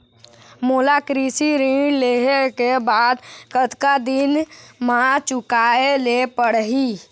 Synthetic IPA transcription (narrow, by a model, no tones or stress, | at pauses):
moːlakɾisiɾĩɖleɦekebaːd̪kət̪kad̪ɪnmãt͡ʃʊkaːelepəɽɦi